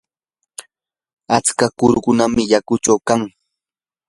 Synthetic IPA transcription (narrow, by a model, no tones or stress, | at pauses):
at͡skakʊɾʊkʊnamɪjakʊt͡ʃawkaŋ